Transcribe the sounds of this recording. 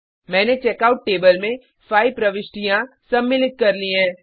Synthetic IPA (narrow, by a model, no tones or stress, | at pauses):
mɛ̃ːnet͡ʃeːkaːʊʈːeːbəlmẽ | faːɪpɾɐʋɪʃʈijãsɐmːɪlɪt̪̚kɐɾlĩɦɛ̃ː